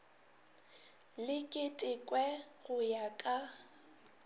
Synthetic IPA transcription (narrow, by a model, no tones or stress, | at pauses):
lɪkʼɪtʼɪkʼwɛɣʊjakʼa